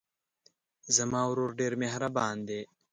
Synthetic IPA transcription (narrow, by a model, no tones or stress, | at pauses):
zɐmãːuɾoːɾɖeːɾmeːɦɐɾɐbaːnd̪eː